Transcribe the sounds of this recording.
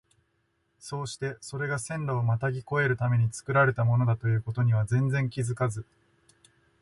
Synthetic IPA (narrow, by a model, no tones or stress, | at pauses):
so̞ːɕi̥t̪e̞so̞ɾe̞ɡasẽ̞nɾaːmat̪aɡʲiko̞e̞ɾɯ̟t̪ame̞ɲ̟it͡sɨ̥kɯ̟ɾaɾe̞t̪amo̞no̞d̪at̪o̞jɯ̟ːko̞t̪o̞ɲ̟iβ̞azẽ̞nd͡zẽ̞ŋkʲizɨkazɨ